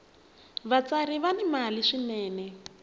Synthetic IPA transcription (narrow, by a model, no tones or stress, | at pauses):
βat͡saɾiβanimaliʃinɛːnɛ